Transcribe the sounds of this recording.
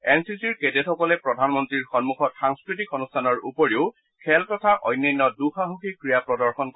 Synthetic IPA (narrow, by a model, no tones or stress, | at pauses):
ɛnsisiɹketetxɔkɔlɛpɹɔdʱanmɔntɹiɹxɔnmuxɔtxaŋskɹitikɔnustʰanɔɹupɔɹiʊ | kʰɛltɔtʰaʔɔjnːɔjnːɔduxaɦuxikɹijapɹɔdɔɹxɔnk